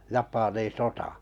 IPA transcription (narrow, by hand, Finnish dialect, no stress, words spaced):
jɑpɑniːn̞ sotɑˑ